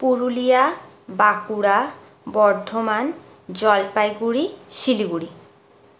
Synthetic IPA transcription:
puɾulija | bakuɽa | bɔɾd̪ʱoman | d͡ʑɔlpajɡuɽiʃiliɡuɽi

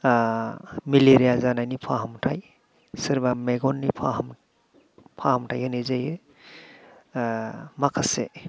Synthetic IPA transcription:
miliɾijazanajnipʰaɦamtʰaj | siɾbameɡɔnːipʰaɦm | pʰahamtʰajɦenizaje | makʰase

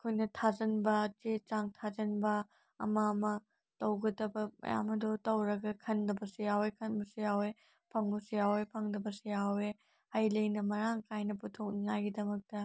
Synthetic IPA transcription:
kʰojnɐtʰazɐnbɐt͡ʃet͡ʃaŋtʰazɐnbɐ̰ː | mamɐ | tɐwɡɐdɐbɐmɐ̰ja̰mɐdotɐwɾɐɡɐkʰɐndɐbɐsijawekʰɐnbusijawe | pʰɐŋusijawepʰɐŋdɐbɐsijawe | ɐjlɐjnɐmɐɾaŋkʰajnɐputʰok̚nɐŋaɡidɐmɐk̚tɐ

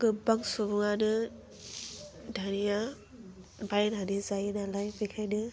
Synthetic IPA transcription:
ɡɯbaŋsubɯŋanɯ | dʱanija | bajnadizajnalajpɯjkʰajnɯ

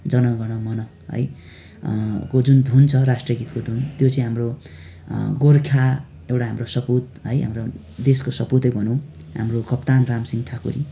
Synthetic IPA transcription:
d͡zʌnʌɡʌɽ̃ʌmʌnʌ | ɦʌ̰j | kod͡zund̪ʱunt͡sʰʌɾasʈrʌɡit̪kod̪ʱunt̪jot͡sʌ̃ĩɦamro | ɡorkʰa | ewʈaɦamrosʌput̪̚ɦʌjɦa̰mro | d̪eskosʌput̪ʌjbʱʌnũ | ɦa̰mrokʌpt̪anramsiŋʈʰakṵɾi

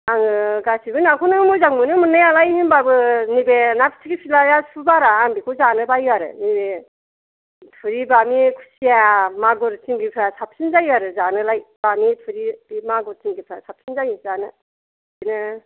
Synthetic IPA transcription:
aŋɯɡasʰibɯnakʰɔnɯmɔjzaŋmɯnɯmɯnːajalajhinbabɯnibenapʰi̥tʰiɡipʰilajasʰubaɾaːŋbikʰuzanɯbajaɾɯ̰nibe | tʰɯɾibamikʰu̥sijamaɡɔɾt͡ʃiŋɡipʰɾasap̚ʰsinzajaɾɯzanɯlajb̥amipʰɯɾibimaɡɔɾt͡ʃiŋɡipʰɾasʰap̚sʰinzajɯzanɯ | inɯ

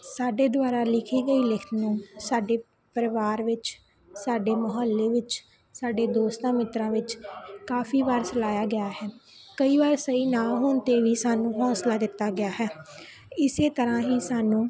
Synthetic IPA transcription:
saːɖeːd̪ʊʋaːɾaːlɪkʰiːɡəiːlɪk̪ʰnũːsaːɖeː | pəɾəʋaːɾʋɪt͡ʃ | saːɖeːməɦəlːeːʋɪt͡ʃ | saːɖeːd̪oːst̪ãːmɪt̪ɾãːʋɪt͡ʃkaːfʰiːbaːɾt͡ʃəlaːjaːɡɪjaːɦɛː | kəiːʋaːɾsəiːnãːɦoːnt̪eːʋiːsaːnũːɦɔːslaːd̪ɪt̪ːaːɡɪaːɦɛː | ɪseːt̪əɾãːɦiːsaːnũː

